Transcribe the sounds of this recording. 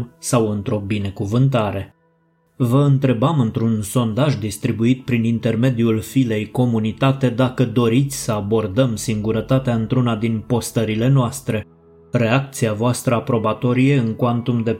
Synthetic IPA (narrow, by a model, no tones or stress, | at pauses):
sawɨnt̪ɾo̞bine̞kuvɨnt̪aɾe̞ | vəɨnt̪ɾe̞bamɨnt̪ɾunso̞nd̪aʒd̪ist̪ɾibuit̪pɾinint̪e̞rme̞d̪iulfile̞jko̞munit̪at̪e̞d̪akəd̪o̞ɾit̪sʲsəabo̞rd̪əmsiŋɡuɾət̪at̪eaɨnt̪ɾunad̪inpo̞st̪əɾile̞noast̪ɾe̞ | re̞ak̚t̪siavoast̪ɾəapɾo̞bat̪o̞ɾije̞ɨŋkwant̪umd̪e̞